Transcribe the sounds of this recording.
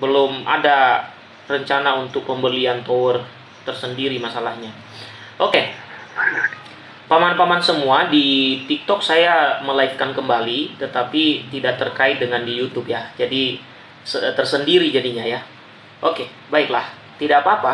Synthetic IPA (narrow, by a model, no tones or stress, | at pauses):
bəlʊmʔa̰da | rəɲt͡ʃanaunt̪ʊk̚pəmbəliant̪oər | t̪ərsəndiɾimasalahɲa | ʔoke | pamanpamansəmuadit̪ik̚t̪ɔk̚sajaməlaifkankəmbalit̪ət̪apit̪idaʔ̚t̪ərkaɪt̪̚dəŋandijut̪upjad͡ʒadi | sət̪ərsəndiɾid͡ʒadiɲaja | ʔoke | baɪklah | t̪idapaːpa